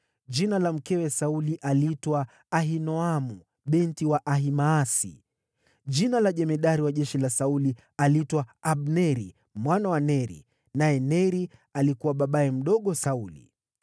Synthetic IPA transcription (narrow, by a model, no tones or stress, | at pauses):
ʄinalam̩kɛwɛsauliʔalitwaː | ɦinɔamu | ɓɛntiwaʔaɦimaːsḭ | ʄinalaʄɛmɛɗaɾiwaʄɛʃilasauli | alitwaaɓnɛɾḭ | mwanawanɛɾḭ | najɛnɛɾialikuwaɓaɓaɛm̩ɗɔɠɔsaulḭ